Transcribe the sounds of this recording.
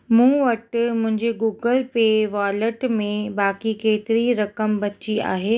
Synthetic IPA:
mũːʋɐʈmʊ̃ɦɪ̃ɲd͡ʑeɡuːɡəlpeːʋaːləʈmẽbaːkikeːt̪ɪɾiɾɐkəmbɐt͡ɕia̰ːɦeː

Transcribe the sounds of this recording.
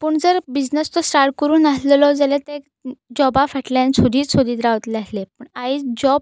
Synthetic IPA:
pəːɳd͡zəɾbid͡znəst̪ɔsʈaɾʈ̚kəɾuːnasləlɔd͡zalet̪ẽk | d͡ʑɔbafaʈlansʰod̪iːt͡ssod̪iːt̪ɾaʋt̪leaslepəːɳaid͡ʑɔb̚

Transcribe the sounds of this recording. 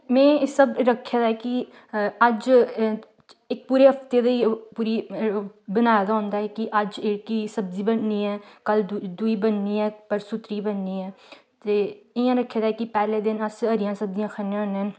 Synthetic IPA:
mɛ̃ːsəbɾəkʰːjaːd̪aːɦɛːkɪ | əd͡ʒ | ɪk̚puːɾeːɦəft̪eːd̪əiːpuːɾiː | bənaːjad̪aːʊ̃nd̪aːɦɛːkɪʔəd͡ʒɪɽkiːsəbziːbənniːɛːkəld̪uiːbənːiːɛːpəɾsʊt̪ɾiːbənːiːɛː | t̪eːɪjãːɾəkʰːjaːd̪aɛːkɪpɛːleːd̪ɪnəsəɾɪjãːsəb̚d̪ijãːkʰənẽənːen

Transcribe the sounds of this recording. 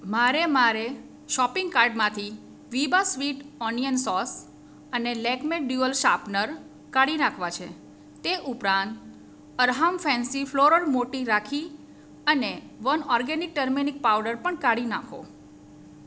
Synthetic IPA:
maɾemaɾe | ʃɔpɪŋɡkaɾɖmãt̪ʰi | ʋibasʋiʈɔnijənsɔs | ənelɛkmeʈ̚ɖjuəlʃapnəɾ | kaɽinakʰʋat͡ʃʰḛ | t̪eʔupɾãnt̪ | əɾɦamfɛ̃nsifʰloɾəɽmoʈiɾakʰi | əne | ʋənɔɾɡenik̚ʈəɾminik̚pawɖəɾpəɳkaɽinakʰo̰

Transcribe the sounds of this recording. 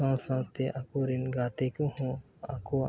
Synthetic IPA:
ãːsãːnst̪eʔakoɾinɡaːt̪ekoɦõ | a̰ko

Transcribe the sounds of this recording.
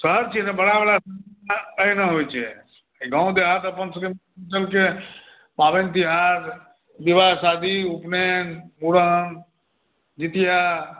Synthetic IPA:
səɦəɾt͡ʃʰinebəɽabəɽasakəinəɦojt͡ʃʰe | ɡãːw̃d̪eɦat̪əpənsəkim | t͡ʃəlke | paʋent̪iɦat̪ | biʋasad̪iupnenmuɽəŋ | d͡ʒit̪ija

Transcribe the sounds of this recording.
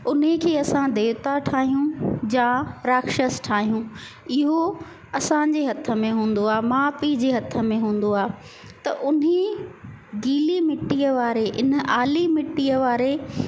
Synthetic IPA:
ʊnɦekʰeːɐsãd̪eːʊt̪aʈʰaːɦijũd͡ʑãɾaːkʃəsʈʰaːɦijũ | ɪɦo | ɐsãd͡ʑeːɦɐt̪ʰə̆mẽɦũːn̆d̪oaːemaːfid͡ʑeːɦɐt̪ʰə̆mẽɦũːnd̪oaːe | t̪ɐʔʊne | ɡiːlimɪʈːiəʋaːɾeʔɪnə̆ʔaːlimɪʈːijəʋaːɾe

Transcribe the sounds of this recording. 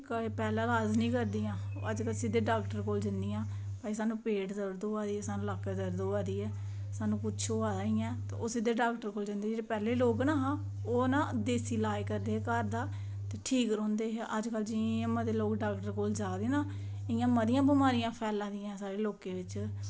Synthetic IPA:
kəpɛːlãːaːd͡ʒnĩːkəɾd̪iːãː | əd͡ʒkəlsɪd̪eːɖaːkʈəɾkoːld͡ʒɪnd̪iːãː | paːiːsaːnũːpeːʈd̪əɾd̪oːaːd̪iːɛːsaːnũːlaːkəd̪əɾd̪oːaːd̪iːɛː | saːnũːkʊt͡ʃʰoːaːaɪjãːt̪ḛːʔoːsɪd̪eːɖaːkʈəɾkoːld͡ʒɪnd̪eːd͡ʒeːɽeːpɛːleːloːknaːɦãː | oːnãːd̪eːsiːlaːikəɾd̪eːkəɾd̪aː | t̪eːʈʰiːkɾõːnd̪eːɦʔəd͡ʒkəld͡ʒɪ̃məd̪eːloːkɖaːkʈəɾkoːld͡ʒaːd̪eːnãː | ɪjãːməd̪ɪjãːbəmaːɾijãːpʰɛːlãːd̪ɪjãːsaːɾeːloːkeːʋɪt͡ʃ

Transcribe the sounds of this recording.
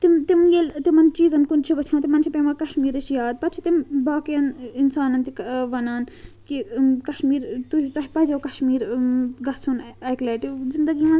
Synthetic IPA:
t̪imt̪imjelʲt̪imɐnt͡ʃiːzɐnkunt͡ʃʰiʋɐt͡ʃʰãnt̪imɐnt͡ʃʰipemɐkɐʃmiːɾɐt͡ʃʰjaːd̪̚pɐt͡ʃʰit̪imbaːkjɐninsaːnɐnt̪ikʋɐnaːn | kikɐʃmiːɾt̪uɦit̪ɐɦipɐzʲɐwkɐʃmiːɾɡɐt͡sʰunɐjklaːʈizind̪ɐɡimɐn

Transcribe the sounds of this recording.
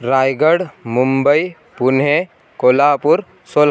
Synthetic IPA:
ɾaːjɡəɽmʊ̃mbəi | pʊnɦẽ | koːlaːpʊɾ | soːl

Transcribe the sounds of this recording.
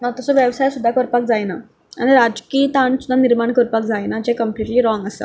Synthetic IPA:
at̪ɔsɔʋjəʋsajsud̪ʱːakəɾpak̚d͡zajna | a̰ɽ̃iɾad͡zkiːt̪aɳsud̪ʱːaniɾmaɳkəɾpak̚d͡zajnad͡ʑekəmpliʈliːɾɔŋɡəsə̰

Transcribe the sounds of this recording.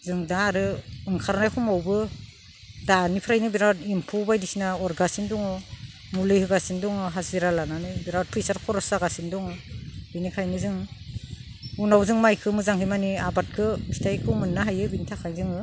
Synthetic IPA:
zɯŋdaːɾɯɯŋkʰaɾnajkʰɔmawbɯ | danipʰɾajnɯbiɾawtimpʰubajdisinaɔɾɡasindɔŋɯ | mulɯjhɯɡasindɔŋɯɦaziɾalananɯjbiɾawt̚pʰɾisaɾkʰɔɾɔsaɡasindɔŋɯbinikʰajnɯzɯŋ | unawzɯŋmajkʰɯmɯzaŋɦɯjmaniabat̚kʰɯpʰi̥tʰajkʰɯwmɯnːaɦajɯbinitʰakʰajzɯŋɯ

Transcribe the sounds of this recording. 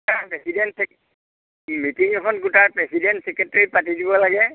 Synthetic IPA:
tapɹɛsidɛntsɛk | mitiŋɛkʰɔnɡutapɹɛsidɛntsɛkɹɛtɹipatidibɔlaɡɛ

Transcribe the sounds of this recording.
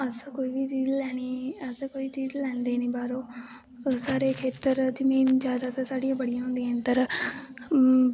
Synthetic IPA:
əskoːiːʋiːt͡ʃiːzlɛːɽ̃iːəskoːiːt͡ʃiːzlɛ̃ːnd̪eːnĩːbaːɾoː | saːɾeːkʰeːt̪əɾd͡ʒɪmiːnd͡ʒjaːd̪aːt̪aːsaːɽijãːbəɽijãːɦʊ̃nd̪iːɛ̃ːnt̪əɾ

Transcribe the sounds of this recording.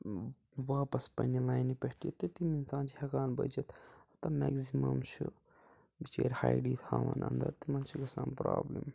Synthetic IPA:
ʋaːpɐspɐ̰nilaːjnipehʈit̪ɨt̪iminsaːnt͡ʃʰihɐkaːnbɐt͡ʃɐt̪ɐt̪ɐmekzimɐmt͡ʃʰu | bit͡ʃeːɾha̰jɖiːt̪ʰhaːʋɐnɐ̰nd̪ɐɾt̪imɐnt͡ʃʰiɡɐsaːmpɾa̰ːblim

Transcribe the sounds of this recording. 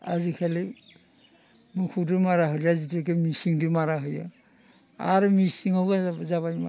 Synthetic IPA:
a̰zikʰali | mukʰudɯmaɾaɦɯlazituk̬emisiŋdɯmaɾaɦɯja | a̰ɾɯmisiŋhawɡazaβajma̰

